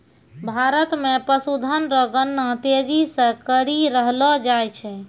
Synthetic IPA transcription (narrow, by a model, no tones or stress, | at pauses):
bʱaɾət̪mepəsud̪ʱənɾəɡənːat̪ed͡ʒisə̃kəɾiɾəɦlɔd͡ʒajt͡ʃʰɛ